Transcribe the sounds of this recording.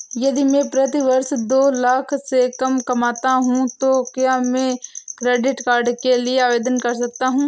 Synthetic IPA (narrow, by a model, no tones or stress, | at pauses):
jɐd̪imɛ̃ːpɾɐt̪iʋɐɾsd̪oːlaːkʰsekɐmkɐmaːt̪aɦũt̪okjaːmẽːkɾeːɖɪʈkaːɾɖkelieaːʋeːd̪ənkɐɾs̬ɐk̚t̪aɦũː